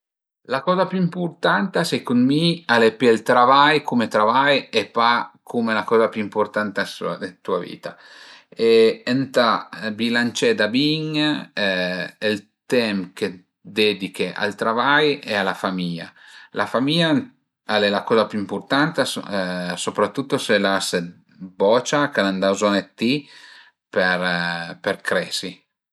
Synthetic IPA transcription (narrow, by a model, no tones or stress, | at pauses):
lakɔːzapjuimpuɾt̪ant̪asɛkunmialepielt̪ɾavajkumet̪ɾavajepakʰumelakɔzapjuimpoɾt̪ant̪asd̪et̪ua̰vḭːt̪a | eent̪abilant͡ʃɛd̪abiŋ | elt̪ɛmkʰe | d̪ɛd̪ikʰeʔa̰lt̪ɾavajealafamiʎa̰lʔafamiʎːa | alelakɔzapjuimport̪ant̪e | sopɾat̪ːut̪ːoselase | bɔt͡ʃakaland̪azɔnet̪ːi | peɾperkɾɛːsi